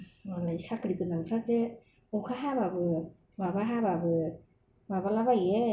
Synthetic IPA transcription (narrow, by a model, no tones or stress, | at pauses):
manajsakɾikɯnaŋpʰɾaze | ɔkʰaɦababɯ | mabaɦababɯ | mabalabaje